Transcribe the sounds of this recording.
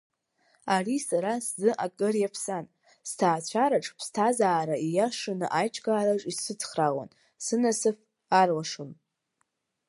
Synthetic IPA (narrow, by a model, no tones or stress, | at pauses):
arisaɾaszɨʔakʼɨrjapʰsan | stʰaːt͡ɕʷʰaɾaʈ͡ʂʰʼpʰstʰazaːɾaijaʂɨnɨʔajt͡ʃʰʼɡaːlaʈ͡ʂʼisɨt͡sʰχraʁʷa̰n | sɨnasɨf | arwaʂɨm